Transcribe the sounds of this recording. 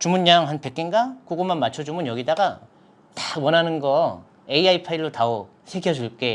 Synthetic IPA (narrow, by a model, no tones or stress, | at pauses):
t͡ɕumuɲːjaŋɦanpe̞k͈inɡakoɡomanmat͡ɕʰʌd͡ʑumɯnjʌɡidaɡa | tawʌnanɯnɡʌ | e̞iaipʰaiɭːotao | sʰe̞ɡjʌd͡ʑuɭk͈e̞